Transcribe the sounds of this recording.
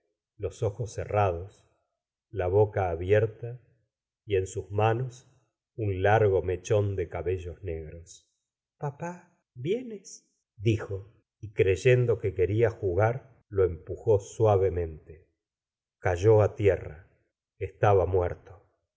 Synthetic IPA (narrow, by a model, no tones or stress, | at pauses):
lo̞soxosːḛrað̞os | laβo̞kaːβjeɾt̪a | ie̞nsuzmanos | unlaɾɣo̞me̞t͡ʃo̞nd̪ekaβe̞ʒozne̞ɣɾos | papa | bje̞nes | d̪ixo̞ | ikɾeʒe̞nd̪o̞keke̞ɾiaxuɣaɾ | lo̞e̞mpuxo̞swaβemẽ̞nt̪e | kaʒoat̪jera | est̪aβamweɾt̪o